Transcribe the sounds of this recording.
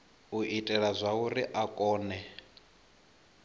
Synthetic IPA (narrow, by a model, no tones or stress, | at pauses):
uʔitʼɛɺazʷauɾiʔakʼɔːnɛ